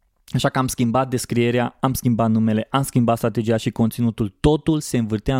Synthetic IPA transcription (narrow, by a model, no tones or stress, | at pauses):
aʃakəamskʲimbat̪̚d̪e̞skɾie̞ɾeaamskʲimbat̪nume̞le̞ʔamskʲimbat̪st̪ɾat̪e̞d͡ʒijaʃiko̞nt̪sinut̪ult̪o̞t̪ulse̞ɨnvɨrt̪ea